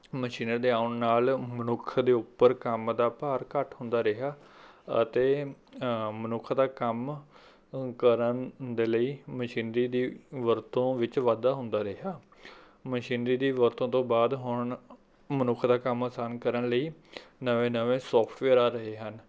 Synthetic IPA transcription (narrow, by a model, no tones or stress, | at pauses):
məʃiːnəɾd̪eːaːʊɳnaːlmənʊkʰd̪eːʊpːəɾkəmd̪aːpaːɾkəʈɦʊ̃nd̪aːɾəɦaː | ə̰t̪eː | mənʊkʰd̪aːkəm | kəɾənd̪eːləiːməʃiːnɾiːd̪iːʋəɾt̪õːʋɪt͡ʃʋaːd̪aːɦʊ̃nd̪aːɾəɦaː | məʃiːnɾiːd̪iːʋəɾt̪õːt̪õːbaːd̪ɦʊɳ | mənʊkʰd̪aːkəmaːsaːnkəɾəɳləiːnəʋẽːnəʋẽːsɔːpʰʈʋeːɾaːɾəɦeːɦən